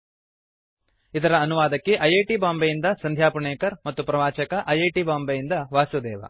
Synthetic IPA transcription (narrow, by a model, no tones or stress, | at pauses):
id̪ɐɾɐːnuʋaːd̪ɐkːeʔɐjeːʈibaːmbɐjind̪ɐsɐnd̪ʱjaːpuɳeːkɐɾmɐt̪ːupɾɐʋaːt͡ʃɐkɐʔɐjeːʈibaːmbɐjind̪ɐʋaːsud̪ɛːʋɐ̰